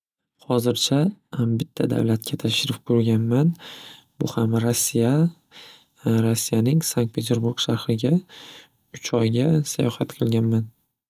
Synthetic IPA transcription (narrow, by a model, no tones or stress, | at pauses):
hɒzɪɾt͡ʃʰabɪt̪ʰːad̪a̰wlat̪̚kʲʰat̪ʰaʃɪɾɪfkʰɵɾɡʲanman | bʊhamɾasːija | ɾosːijanɪŋsaŋk̚t̪pʰe̞t̪ʰe̞ɾbuɾɡʃaɾhɾɪɡʲa | ʊt͡ʃʰɒjɡʲasajɒhat̪qʰɨlˠɡʲanman